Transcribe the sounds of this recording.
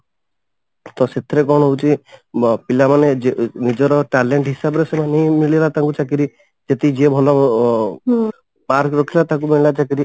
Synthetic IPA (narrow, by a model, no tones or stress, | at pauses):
t̪ɔset̪ʰɾekɔɳ̃ɔɦowt͡ʃʰi | pilamaned͡ʒnid͡ʒɔɾɔʈaleɳʈɦisabɾesɔmanimiɭilat̪aŋkut͡ʃak̬iɾi | d͡ʒet̪id͡ʒebʱɔlɔ | paɾkɾɔkʰilat̪akumiɭilat͡ʃak̬iɾi